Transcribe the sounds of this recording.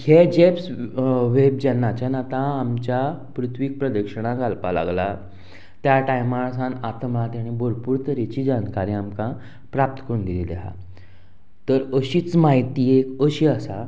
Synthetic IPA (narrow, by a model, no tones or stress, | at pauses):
hed͡ʑepsʋeb̚d͡ʑɛnːat͡ɕanat̪ãːmt͡ɕjapɾut̪ʰʋik̚pɾəd̪əkʂəɽ̃ãɡalpala̰ɡla | t̪jaʈajmas̬anat̪mat̪jaɽ̃iboɾpuːɾt̪əɾet͡ɕiːd͡ʑankaɾiamkã | pɾap̚t̪ə̥kəɾuːnd̪ilileɦa̰ | t̪əɾəɕiːt͡smaɦit̪iːekəɕiasa